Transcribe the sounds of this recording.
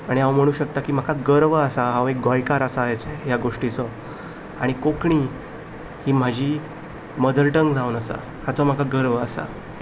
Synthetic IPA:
aɽ̃iãwm̤əɽ̃uːɕək̚t̪akiːm̤akʰaɡəɾʋəsaɦãwek̚ɡɔjkaɾəsaːjt͡sejaɡoʂʈit͡sɔ | aɽ̃ikokɳ̃iː | hiːm̤ad͡ʑʱiː | məd̪əɾʈəŋɡd͡zawnəsa̰ | hat͡sɔm̤akʰaɡəɾʋəsa̰

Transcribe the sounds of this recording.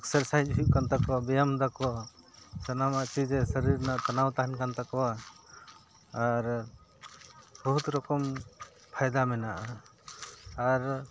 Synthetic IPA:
ɛksəɾsajd͡ʒuɦip̚kant̪akɔwabɛjamd̪akɔ | t͡ʃanamaʔt͡ʃid͡ʒesəɾiɾnaʔt̪anawt̪aɦankant̪akɔwa | ɾ | bɔɦut̪ɾɔkɔm | pʰajd̪amɛnaʔa | aɾ

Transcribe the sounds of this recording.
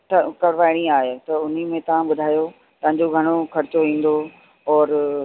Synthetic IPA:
ʈɐkɐɽʋaːɪɽ̃ĩaːɦet̪ɐʊn̤imẽt̪ɐʋ̤ãɓʊd̪ʱaːjo | t̪ɐ̃ɦɪ̃ɲd͡ʑoɡʱɐɽ̃okɐɾɪt͡ɕoʋĩːn̆d̪o | ɔːɾ

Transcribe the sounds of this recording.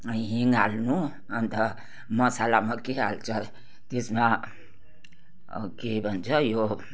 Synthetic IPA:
ɦiŋɡalnu | ənt̪ə | məsalamekealt͡ʃʰə | t̪esmã | kebʱənt͡ʃʰəjo

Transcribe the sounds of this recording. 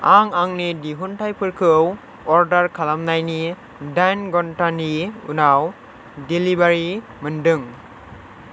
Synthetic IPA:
aŋaŋnidiɦuntʰajpʰɯɾkʰɯw | ɔɾdaɾkʰalamnajni | dajnɡɔntaniṵnaw | delibaɾi | mɯndɯŋ

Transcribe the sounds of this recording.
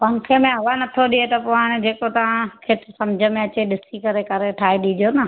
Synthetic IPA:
pɐɦnkʰemẽɦɐʋanɐt̪ʰoɗiet̪ɐpoənd͡ʑeːkot̪ɐʋ̤ãkʰeʈ̪ʰsɐmd͡ʑʱəmẽɐt͡ɕeɗɪsikɐɾekɐɾeʈʰaːɦeɗiɗijonɐ

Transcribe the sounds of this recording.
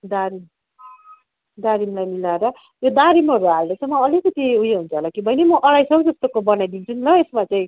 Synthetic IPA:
d̪aɾim | d̪aɾimlajmilaeɾʌ | jod̪aɾimɦʌɾuɦaldesʌmʌʌlikʌt̪iɦujeɦunt͡sʰʌɦelakibʱʌjnemʌʔʌɽajsʰʌwd͡zʌst̪okobʌnajd̪int͡sʰunilʌesmat͡saĩ

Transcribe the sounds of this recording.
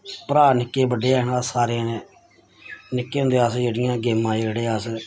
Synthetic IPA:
pəɾaːnɪkːeːbəɖeːaːnaːsaːɾeãːnẽː | nɪkːeːõnd̪eːaːsd͡ʒeːɽɪjãːɡeːmãːeːəɽeːaːs

